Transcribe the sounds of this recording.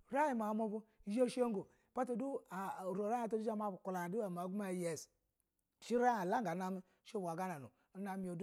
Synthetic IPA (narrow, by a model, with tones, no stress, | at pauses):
ɾa˦i˨ma˨˦mo˦bu˦je˦ʃo˦ŋ˦ɡo˨ | pa˦to˨du˦a˨ɾo˨ɾa˦a˨to˦du˦a˦ma˦bu˨ku˨la˨du˦a˨m˨a˨˦ɡu˦ma˨jɛ˦˨s | ʃi˦ɾa˦a˨la˦ŋɡa˨˦na˦mi˦ | ʃo˦ba˨ɡa˦na˨nṵ˨˦na˦mi˨o˨d